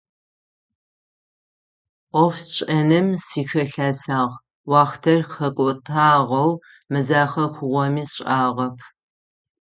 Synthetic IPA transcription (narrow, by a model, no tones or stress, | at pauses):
ʔʷɔft͡ʃʼɐnɨmsiːxɐɬaːsaːʁ | wɑːχtʰɐrxɐkʷʼʊtʼʰaːʁɐw | mɨzaːχɐxʷʊʁʷɔmiːsɕʼaːʁɐpʰ